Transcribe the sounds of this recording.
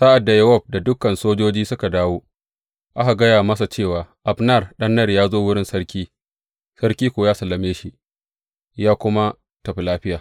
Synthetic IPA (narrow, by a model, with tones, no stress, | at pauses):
saː˦ʔa˨dːa˨jɐ˦wɔ˦˨b̚da˨dʊ˦kːɐ˨nsoː˦d͡ʒoː˦d͡ʒiː˦sʊ˦ka˨daː˦woː˦ | ʔa˦ɦa˨ɡɐ˦jaː˨mɐ˦s̬a˨t͡ʃeː˦˨waː˨ʔa˨bnɐ˦˨rɗɐ˦nːɐ˦rjaː˦zoː˦wʊ˦ɽɪ˦nsɐ˦ɾkʲiː˦ | sɐ˦ɾkʲiː˦kʷoː˨jaː˦sɐ˨lːɐ˨meː˦ʃi˦ | jaː˦kʷʊ˦ma˦ | tɐ˨ɸi˨laː˦ɸɪ˦jaː˨